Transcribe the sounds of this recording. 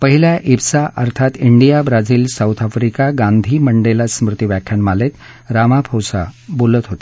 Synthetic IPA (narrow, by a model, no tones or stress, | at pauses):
pəɦiljaʔibsaʔəɾt̪ʰat̪iɳɖijabɾad͡ziːlsawt̪ʰafɾikaɡãnd̪ʱiːməɳɖelasmɾut̪iʋjakʰjanmalet̪ | ɾamapʰowsa̰bolət̪ɦot̪ḁ